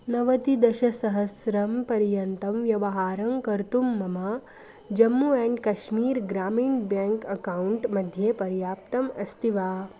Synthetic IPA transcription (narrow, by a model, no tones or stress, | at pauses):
nɐʋɐt̪id̪ɐʃɐsɐɦɐsɾɐmpɐɾjɐnt̪ɐmʋjɐʋɐɦaːɾɐmkɐɾt̪umːɐma | d͡ʒɐmːuɛ̃ɳɖkɐʃmiːɾɡɾaːmiːɳbjãŋkɐkauɳʈmɐd̪ʱjepɐɾjaːp̚t̪ɐmɐst̪iʋaː